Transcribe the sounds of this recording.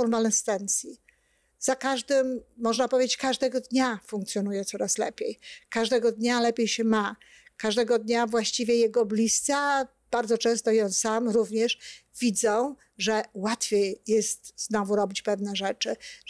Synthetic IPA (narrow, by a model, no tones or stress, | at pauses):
ɔɾmalɛst̪ɛnt̪sʲji | z̥akaʐd̪ɘmːɔʐnapɔvʲed͡ʑt͡ɕkaʐd̪ɛɡɔd̪ɲafũŋkt̪sʲjɔnujɛt̪sɔɾaslɛ̰pʲjejkaʐd̪ɛɡɔd̪ɲalɛpʲjejɕɛma | kaʐd̪ɛɡɔd̪ɲavwaɕt͡ɕivʲjɛjɛɡɔblʲist̪sa | b̥aɾd̪zɔt͡ʂɛ̃w̃st̪ɔjɔ̃w̃samɾuvɲɛʂvʲid̪zɔ̃w̃ | ʐɛwat̪fʲjejjɛst̪znɔvuɾɔbʲit͡ɕpɛvnɛʐɛt͡ʂɘ